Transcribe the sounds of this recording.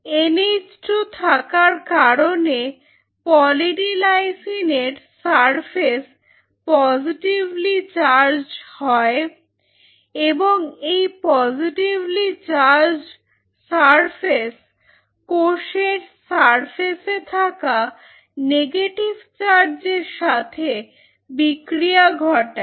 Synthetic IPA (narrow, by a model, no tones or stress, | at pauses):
enid͡ʑʈot̪ʰakaɾkaɾone | pɔliʈilajsineɾsaɾpʰes | pɔziʈiblit͡ɕaɾd͡ʑhɔe | eboŋejpɔziʈivlit͡ɕaɾd͡ʑ | saɾpʰes | koʃeɾsaɾfʰeset̪ʰaka | neɡeʈibt͡ɕaɾd͡ʑeɾʃat̪ʰe | bikɾiaɡʱɔʈa